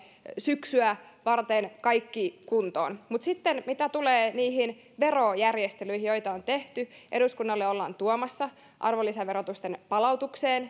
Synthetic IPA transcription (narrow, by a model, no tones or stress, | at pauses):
syksyæʋɑrt̪enkɑjkːikunt̪o̰ːnmut̪sit̪ːenmit̪æt̪uleːniːɦin | ʋe̞rojærjest̪elyjɦijojt̪ɑont̪e̞ht̪yʔe̞ɾuskunːɑlːeo̞lːɑ̰ːnt̪uomɑsːɑ | ʔɑ̰rʋolːisɑʋeɾot̪ust̪enpɑlɑut̪ukseːn